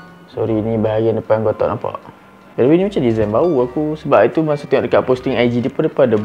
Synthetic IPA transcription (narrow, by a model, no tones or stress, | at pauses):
sɔɾinibaɦajandəpanɡot̪ɔ̰ʔnapa̰ʔ | kadawinĩmat͡ʃamdizajnbauakusəbapit̪umasut̪əŋɔʔdəkaʔpost̪iŋajd͡ʒidipʊndəpada